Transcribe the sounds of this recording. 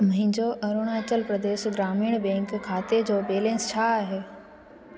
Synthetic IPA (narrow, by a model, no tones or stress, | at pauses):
mɐɦɪ̃ɲd͡ʑoʔɐɾoːɽ̃aːt͡ɕəlpɾəd̪eːʃɡɾaːmiːɽ̃bɛ̃ːŋkʰːaːt̪ed͡ʑoːbeːlẽːnst͡ʃʰaɦeː